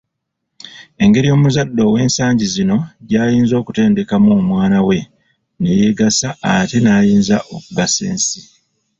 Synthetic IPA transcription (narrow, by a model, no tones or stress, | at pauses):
e̞ŋɡe̞ɾijo̞ːmuzadːo̞we̞ːnsaːɲɟizino̞ɟaːjiːnzo̞ːkute̞ːnde̞kamumwaːnawe̞ | ne̞jeɡasaːtenaːjiːnzaʔo̞kuɡasḛːnsi